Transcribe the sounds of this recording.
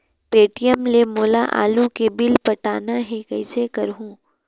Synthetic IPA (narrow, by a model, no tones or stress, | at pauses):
peːʈijəmlemoːla̰ʔa̰ːlukebɪlpɐʈaːnaɦẽkɐɪsekɐɾɦũː